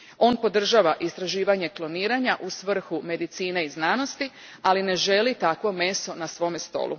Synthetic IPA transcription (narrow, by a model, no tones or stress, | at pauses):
o̞ːnpo̞d̪r̩ʒaʋaʔist̪ɾaʒiːʋaɲe̞klˠo̞niːɾaɲaʔusʋr̩xume̞d̪it̪siːneiznaːno̞st̪i | aline̞ʒe̞lit̪akʋo̞me̞so̞nasʋo̞mest̪o̞̰ːlṵ